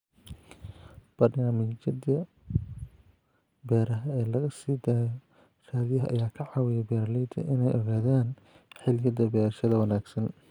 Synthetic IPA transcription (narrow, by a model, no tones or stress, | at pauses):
b̥ɐdɪnɐmɪd͡ʒɐd̪ɐ | bɛːɾɐɦɐɛːlɐɣɐsiːd̪aːjɔ | raːðɪjɐɦɐʔɐ̰jaːkʰɐʕɑːwɪjɛbɛːɾɐlɛjd̪ʰɐ̰ʔɪnɛjɔɣaːðaːn | ħɪlɪjɐd̪ɐbɛːɾɐʃɐðɐwɐnaːɡsɐn